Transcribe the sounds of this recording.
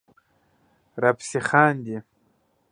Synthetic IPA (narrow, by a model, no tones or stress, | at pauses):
rapʰsiχandi